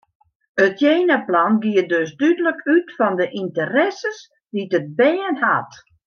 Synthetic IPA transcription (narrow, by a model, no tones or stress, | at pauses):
ətjeːnaplanɡiədøsdydələkʰytfɔndəʔintərɛsəs | ditət̚bɛːənha̰t